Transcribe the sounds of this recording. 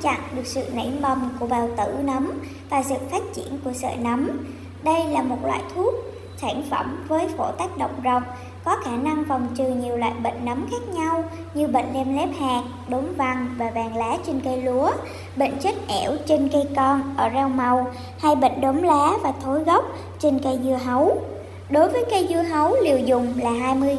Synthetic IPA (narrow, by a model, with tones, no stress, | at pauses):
t͡ɕa̰˧˨ŋɗɨ˨˩ək̚sɨ̰˧˨nə̰˧˩jmə˨˩wŋ͡mku˧˩əɓaː˨˩wt̪ɨ˧˩nə˨˦m | vaː˨˩zɨ̰˧˨faː˦˥t̚t͡ɕi˧˩ənku˧˩əsə̰ː˧˨nə˨˦m | ɗə˧jlaː˨˩mo˨˩t̚lwa̰ː˧˨jt̪ʰu˦˥ək̚ | saː˧˩nfə̰˧˩mvəː˨˦jfo˧˩t̪a˦˥jk̟̚ɗə̰˧˨wŋ͡mzə˨˩wk͡p̚ | kɔ˨˦xaː˧˩na˧ŋva˨˩wŋ͡mt͡ɕɨ˨˩ɲi˨˩əwla̰ː˧˨jɓə̰˧˨ŋ̟nə˨˦mxaː˦˥k̚ɲa˧w | ɲɨ˧ɓḛ˧˨ŋ̟lɛ˧mlɛ˦˥p̚haː˨˩k̚ | ɗo˨˦mva˨˩ŋvaː˨˩vaː˨˩ŋlaː˨˦t͡ɕe˧nkə˧jlu˨˦ə | ɓḛ˧˨ŋ̟t͡ɕa˦˥k̟̚ʔɛ˧˩wt͡ɕe˧nkə˧jkɔ˧nʔəː˧˩zɛ˧wma˨˩w | ha˧jɓə̰˧˨ŋ̟ɗo˨˦mlaː˨˦vaː˨˩t̪ʰo˨˦jɣə˦˥wk͡p̚ | t͡ɕe˧nkə˧jzɨ˧əɦə˨˦w | ɗo˨˦jvəː˨˦jkə˧jzɨ˧əɦə˨˦wli˨˩əwzʊ˨˩ŋ͡mlaː˨˩ɦaː˧jmɨ˧əj